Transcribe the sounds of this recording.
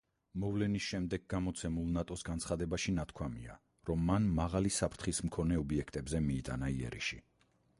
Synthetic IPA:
mɔvlɛnisʃɛmd̪ɛɡ̚ːamɔt̪sʰɛmulˠnat̪ʼɔsɡant̪sχad̪ɛbaʃinat̪ʰkʰwamia | ɾɔmːanːaʁalisapʰɾt̪ʰχismkʰɔnɛɔbiɛkʰt̪ʼɛbzɛmiːt̪ʼanaiɛ̰ɾḭʃi

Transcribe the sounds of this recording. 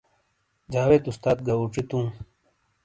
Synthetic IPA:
d͡ʑaːweːt̪ust̪aːt̪̚ɡɐuʈ͡ʂit̪ũː

